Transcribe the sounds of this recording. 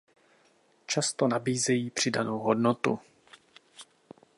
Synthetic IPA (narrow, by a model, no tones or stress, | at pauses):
t͡ʃast̪onabiːzɛjiːpr̝̥ɪdanowɦodnot̪ṵ